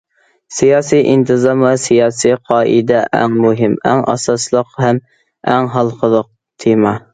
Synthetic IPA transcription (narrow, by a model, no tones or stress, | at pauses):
sijɑːsiʔint̪ʰɨzɑmɨsijɑːsiqʰɑːʔɨ̰d̪ɛʔɛ̰ŋmuɦɪmæ̰ŋʔɑ̰sɑslˠəqhɛm | æŋɦɑlˠqəlˠəq̚ | t̪ʰimɑ